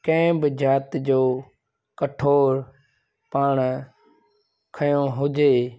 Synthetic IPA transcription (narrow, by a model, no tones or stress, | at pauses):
kə̃bɪd͡ʒaːt̪d͡ʒoː | kəʈʰoːɾ | paːɳ | kʰəjõːɦʊd͡ʒeː